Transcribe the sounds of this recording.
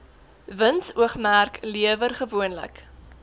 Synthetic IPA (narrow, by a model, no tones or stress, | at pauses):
vənsuəχmærkliəvərχəvuənlə̰k